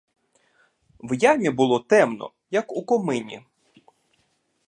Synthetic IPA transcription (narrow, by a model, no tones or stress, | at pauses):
wjamʲibʊlˠɔt̪ɛmnɔ̰ | jɐkukɔmɪnʲḭ